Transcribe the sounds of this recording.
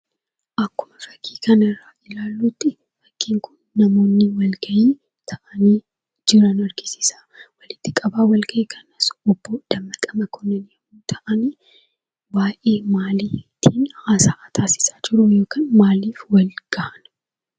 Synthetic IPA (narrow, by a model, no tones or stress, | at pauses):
ʔɐkːʊmɐfɐkʰːi̥ːkɐnɪrːaːʔɪlaːlːuːt̪ːɪ | fɐ̥kːiːŋkʊnːɐmo̞ːnːɪwɐlɡɐʔiː | t̪ʰɐʔɐniː | d͡ʒɪɾɐnɐɾɡɪsɪ̥saːwɐlɪt̪ːɪkʼɐbaːwɐlɡɐʔeːkʰɐnɐsɔbːoːd̪̥ɐmːɐkʼɐmɐkʰɔnːɐnɐmuːt̪ʰɐʔɐniː | baːʔe̞ːmaːliːt̪ʰːiːnhaːsaːʔat̪ʰaːsɪ̥saːd͡ʒɪɾʊjo̞ːkaːnmaːliːfwɐlɡ̥ɐhɐn